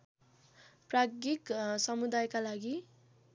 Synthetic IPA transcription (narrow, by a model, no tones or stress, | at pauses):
praɡiksʌmud̪ajkalaɡi